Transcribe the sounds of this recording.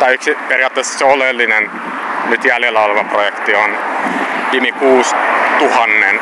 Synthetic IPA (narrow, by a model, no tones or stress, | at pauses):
t̪ɑiyksiperiɑːt̪ːeːsːɑ̥seolelːinen | nyt̪jæljelːæɑlʋɑprojekt̪ion | kimikuːst̪uhɑnːen